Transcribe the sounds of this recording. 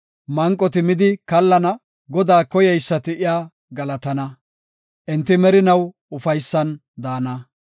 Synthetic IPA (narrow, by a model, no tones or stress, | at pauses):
mɐŋkʼːɔt̪ɪmɪd̪ɪkɐlːɐnɐ | ɡɔd̪aːkɔjɛjsːɐt̪ɪʔɪjaː | ɡɐlɐt̪ɐnɐ | ʔɪnt̪ːɪmɛɾɪnɐw | ʊfɐjsːɐn | d̪aːnɐ